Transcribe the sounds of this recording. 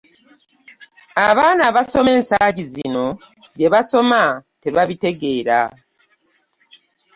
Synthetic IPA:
aβaːnaβaso̞me̞ːnsaːɟizino̞ | ɟe̞βaso̞mate̞βaβite̞ɡe̞ːɾa̰

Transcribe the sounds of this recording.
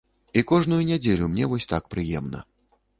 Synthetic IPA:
ikɔʐnujunʲad͡zʲelʲumnʲɛvɔsʲt̪akpɾɨjɛmnɐ̰

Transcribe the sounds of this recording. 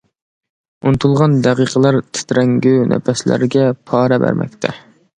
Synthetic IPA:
unt̪ʰulˠʁɑnd̪æqiqʰəlˠɑɾt̪ʰɪ̥t̪ɾɛŋɡʲynʔɛ̰pɛslæ̰ɾɡʲɛpʰɑːɾɛbæ̰ɾmɛ̰k̚ʲt̪ʰɛ

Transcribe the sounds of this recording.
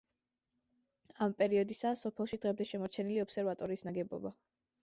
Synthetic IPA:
ampʼɛɾiɔd̪isasɔpʰɛlˠʃid̪ʁɛmd̪ɛʃɛmɔɾt͡ʃʰɛniliɔpsɛɾvat̪ʼɔɾiːsnaɡɛbɔ̰ba

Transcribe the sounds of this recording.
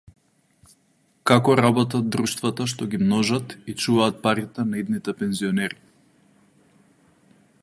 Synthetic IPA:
kakɔɾabɔt̪̬ad̪ɾuʃt̪vat̪aʃt̪ɔɡimnɔʒat̪it͡ʃuvaːt̪̚paɾit̪ɛnaid̪nit̪ɛpɛnziɔnɛɾi

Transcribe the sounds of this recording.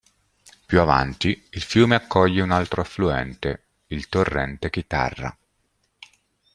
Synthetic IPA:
pjuava̰nt̪iilfjuːmeakːɔʎːeunalt̪ɾoafluɛnt̪e | ilt̪orːɛnt̪ekit̪a̰rːa̰

